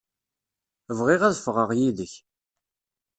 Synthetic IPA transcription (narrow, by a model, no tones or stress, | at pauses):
əvʁɪʁæðəfʁəʁjiðəç